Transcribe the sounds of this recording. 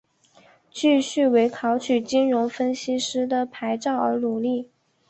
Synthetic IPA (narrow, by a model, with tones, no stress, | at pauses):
t͡ɕy˥˧ɕy˥˩we˧˥ɪkʰɑ˧˥ʊt͡ɕʰy˨˩t͡ɕi˥nɻʊ˧˥ŋfə˥nɕi˥ʂɻ̩˥d̪ə˨pʰa˧˥ɪʈ͡ʂɑ˥˩ʊə˞˧˥lu˨˩li˥˩